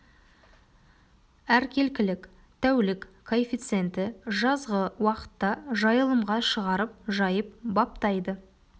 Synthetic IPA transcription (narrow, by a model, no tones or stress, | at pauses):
æɾkʲʰe̞lkʲɪlɪk | t̪ʰæwlɪkkʰːofʲit̪sɨent̪ɪʒɑzʁəwɑqə̥t̪ːɑʒɑjəlˠəmʁɑʃəʁɑɾəp̚ʒɑjəp̚bɑp̚t̪ɑjd̪ə